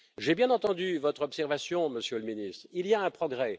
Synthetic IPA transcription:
ʒebjɛ̃nɑ̃t̪ɑ̃d̪yvɔt̪χɔpsɛʁvasjɔ̃məsjøləminist̪χilijaɛ̃pχɔɡʁɛ

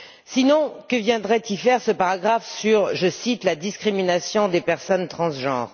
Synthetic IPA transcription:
sinɔ̃kəvjɛ̃d̪ʁɛt̪ifɛʁsəpaʁaɡʁafsyʁʒəsit̪lad̪iskχiminasjɔ̃d̪epɛʁsɔnt̪χɑ̃sʒɑ̰̃ːʁ

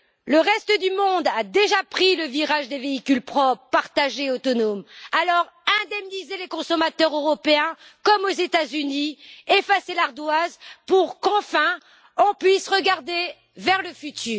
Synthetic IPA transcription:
ləʁɛst̪əd̪ymɔ̃d̪ad̪eʒapχiləviʁaʒd̪eveikʲylpχɔpːaʁt̪aʒeot̪ɔnomalɔʁɛ̃d̪ɛmnizelekɔ̃sɔmat̪œʁøʁɔpeɛ̃kɔmozet̪azyniefaselaʁd̪wazpuʁkɑ̃fɛ̃ | ɔ̃pɥisʁəɡaʁd̪e | vɛʁləfyt̪ʰyːʁ

